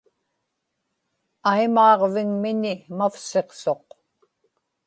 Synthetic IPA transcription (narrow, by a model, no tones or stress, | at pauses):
ajmɑːʁvɪŋmɪnɪmafse̞qso̞q